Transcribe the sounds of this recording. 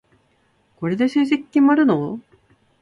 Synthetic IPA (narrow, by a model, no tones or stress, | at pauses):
ko̞ɾe̞d̪eɕɨːʑikʲːimaɾɯ̟no